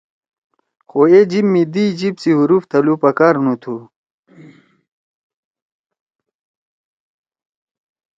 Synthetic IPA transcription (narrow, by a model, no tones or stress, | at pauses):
xoed͡ʑimːid̪id͡ʑibsiɦuɾuft̪ʰɐlupɐkaːɾnut̪ʰu